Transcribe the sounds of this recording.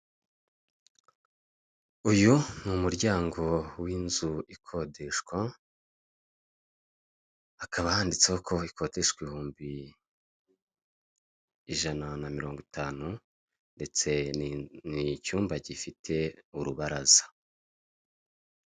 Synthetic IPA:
ujunumuɾɟaːŋɡo̞wiːnzuikʰo̞deʃkwa | kʰaβahaːndit͡sehokʰo̞ikʰo̞ːdeʃkwihuːmbi | iʒananamiɾo̞ːŋɡutʰaːnu | nde̞t͡se̞nicuːmbaɟifitʰe̞uɾuβaɾazḁ

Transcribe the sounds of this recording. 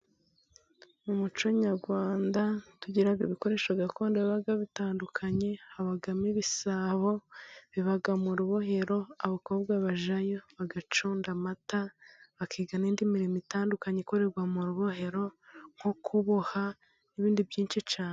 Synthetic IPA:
mumut͡ʃo̞ɲaɾɡwaːndatuɟiɾajoβiko̞ɾe̞ːʃaɡakʰo̞ːndaβaβaɡaβitaːndukʰaɲe̞haβaɡamiβisaβo̞βiβaɡamuɾuβoɦe̞ɾo̞aβako̞ːbɡaβaʒajo̞βaɡat͡ʃoːndamataβakʰiːɡanindimiɾimitaːndukaɲeko̞ɾe̞ɾɡwamuɾuβoɦe̞ɾo̞ŋ̥okʰuβoha | niβiːndibjiːnt͡ʃit͡ʃaːne

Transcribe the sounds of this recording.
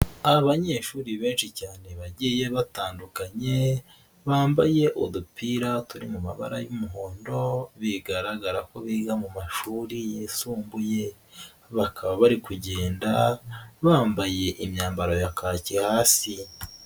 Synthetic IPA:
aaβaɲe̞ːʃuːɾiβe̞ːnʃicaːne̞βaɟije̞βataːndukaɲe̞ | βaːmbaje̞ʔodupiɾatuɾimumaβa̰ɾa̰jumuɦoːndo̞βiɡaɾaɡaɾako̞βiɡamumaʃuːɾijesuːmbuje̞ | βakʰaβaβaɾikuɟe̞ːndaβaːmbaje̞ʔimɲaːmbaɾo̞jakʰaːcihaːsi

